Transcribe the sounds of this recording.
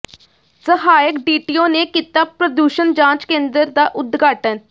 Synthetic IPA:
səɦaːjəkɖiːʈijõːneːkiːt̪aːpɾəd̪uːʃənd͡ʒãːt͡ʃkẽːnd̪əɾd̪aːʔʊd̪ɡaːʈən

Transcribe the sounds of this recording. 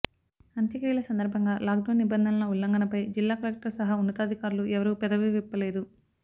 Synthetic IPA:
ɐnt̪jɐkɾiːlɐsɐnd̪ɐɾbʱɐŋɡaːlaːk̚ɖɐːnːibɐnd̪ʱɐnɐnɐulːɐŋɡɐnɐpɐjd͡ʒilːaːkɐlek̚ʈɐɾsɐɦaːunːɐt̪aːd̪ʱikaːɾluʔɛʋɐɾuːpɛd̪ɐʋeʋipːɐleːd̪u

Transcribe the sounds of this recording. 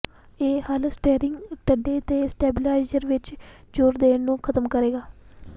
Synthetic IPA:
eːhalsʈeːɾɪŋɡʈəɖːeːt̪eːsʈɛːbɪlaːɪzəɾʋɪt͡ʃ | d͡ʒoːɾd̪eːɳnũːkʰət̪əmkəɾeːɡaː

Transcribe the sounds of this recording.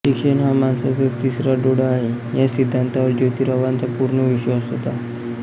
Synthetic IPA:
ʈikʂenɦamansat͡sət̪isɾaɖoɽəaɦe | jasid̪ʱːant̪aʋəɾd͡ʑot̪iːɾəʋant͡sapuɾɳəʋiɕəəsɦot̪a

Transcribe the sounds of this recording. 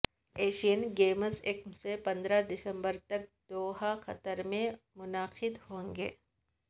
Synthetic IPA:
eːʃijənɡeːməsɪkmsepɐ̃nd̪ɾad̪ɪsə̃mbəɾt̪ɐk̚d̪oːɦaxɐt̪əɾmẽmʊnaːxɪd̪hõːŋɡḛː

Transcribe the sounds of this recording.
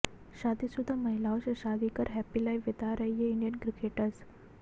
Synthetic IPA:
ɕad̪isud̪ʱːaməɦilaʋɕaɕad̪ikəɾɦɛpilajʋid̪aɾajjeiɳɖijənkɾikeʈəs

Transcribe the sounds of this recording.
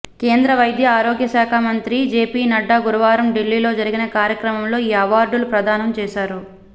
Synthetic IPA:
ke̞ːnd̪ɾɐʋɐjd̪ʱjɐaːɾoːɡjɐʃaːkʰaːmɐnt̪ɾid͡ʒeːpiːnɐɖːaːɡuɾuʋaːɾɐmɖilːiːlo̞ːd͡ʒɐɾiɡinɐkaːɾjɐkɾɐmɐmlo̞ːiːɐʋaːɾɖulupɾɐd̪aːnɐmt͡ʃɛːʃaːɾu

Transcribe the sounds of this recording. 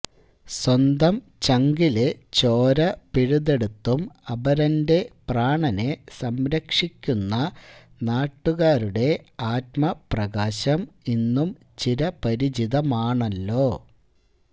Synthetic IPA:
swɐnd̪ɐm | t͡ɕɐŋɡilet͡ɕoːɾɐpiɻuðe̞ɽut̪ːumɐbɐɾɐnde̞praːɳɐne̞sɐmɾɐkʂikʲːunːɐ | naːʈːuɣaːɾuɽe̞aːt̪mɐprɐɣaːɕɐminːum | t͡ɕiɾɐpɐɾid͡ʑiðɐmaːɳɐlːo̞ː

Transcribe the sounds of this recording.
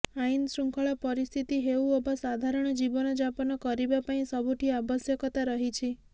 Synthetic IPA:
ainsɾuŋkʰɔɭapəɾist̪ʰit̪iɦeuobasad̪ʱaɾɔɳ̃d͡ʒibɔnɔd͡ʒapɔnɔkɔɾibapaĩsəbʱuʈ̪ʰiabəsjəkɔt̪aɾəɦit͡ʃʰi

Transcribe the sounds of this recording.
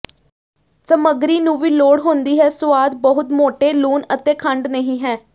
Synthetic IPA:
səməɡɾiːnũːʋiːloːɽɦʊ̃nd̪iːɦɛːsʊaːd̪bəɦʊt̪moːʈeːluːnət̪eːkʰəɳɖnəɦĩːɦɛː

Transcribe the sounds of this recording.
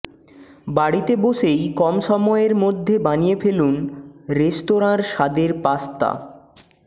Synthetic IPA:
baɽit̪eboʃejkɔmʃɔmɔeeɾmod̪ʱːebanijefelunɾesʈoɾaɾʃad̪eɾpast̪a̰

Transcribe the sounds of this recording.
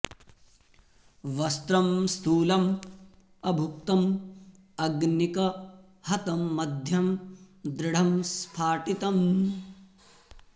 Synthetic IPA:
ʋɐst̪ɾɐmst̪ʰuːlɐm | ɐbʱuk̚t̪ɐm | ɐɡnikɐ | hɐt̪ɐmːɐd̪ʱjɐm | d̪ɾɪɽ̤ɐmspʰaːʈit̪ɐm

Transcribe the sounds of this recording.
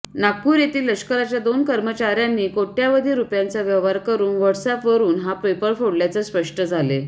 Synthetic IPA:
nakːuːɾjet̪iːlːəʂkəɾat͡ɕjad̪onkəɾmət͡ɕaɾjanːiːkoʈjaʋəd̪ʱiɾupjant͡səʋjəʋʋaɾkəɾuːnʋəʈsɛpʋəɾuːnɦapɾejpəɭfoɽljat͡səspəʂʈəd͡zʱale

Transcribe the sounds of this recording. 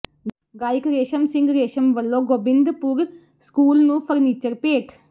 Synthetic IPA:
ɡaːɪkɾeːʃəmsɪ̃ŋɡɾeːʃəmʋəlːõːɡoːbɪ̃nd̪pʊɾ | skuːlnũːpʰəɾniːt͡ʃəɾpeːʈʰ

